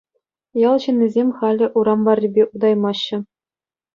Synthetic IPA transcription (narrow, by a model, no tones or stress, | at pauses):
jɑlˠɕɘ̆nʲːizʲemʲχɑlʲɘ̆ʔuɾɑmbɑrʲːibʲeʔud̪ɑjmɑɕːɘ̆